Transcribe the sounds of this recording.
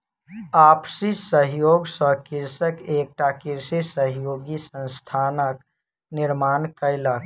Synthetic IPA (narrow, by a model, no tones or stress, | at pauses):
aːpsisəɦjoːɡsəkɪɾsəkeːk̚ʈakɪɾsisəɦjoːɡisə̃nst̪ʰaːnək | nɪɾmaːnkəɪlak